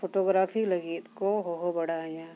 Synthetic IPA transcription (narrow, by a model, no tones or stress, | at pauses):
foːʈoːɡɾaːfʰilɐɡiːt̪koɦoɦobɐɽaːɲaː